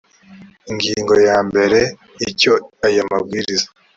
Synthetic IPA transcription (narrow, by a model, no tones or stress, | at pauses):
iŋɡiːŋɡo̞jaːmbe̞ɾe̞ | ico̞ajamab̚ɡiːɾizḁ